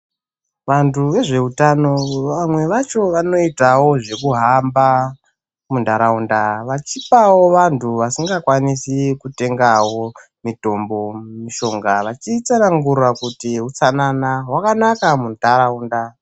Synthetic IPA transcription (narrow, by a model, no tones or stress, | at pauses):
ʋantuʋe̞ʐe̞utano̞amwe̞ʋat͡ʃo̞ʋano̞itawo̞ʐe̞kuɦamba | mundaɾaundaʋat͡ʃipawo̞ʋantʰuʋasiŋɡakwanisikute̞ŋɡawo̞ | mito̞mbo̞miʃo̞ŋɡaʋat͡ʃit͡sanaŋɡurwakutiɦut͡sananaɦwakanakamundʱaɾaunda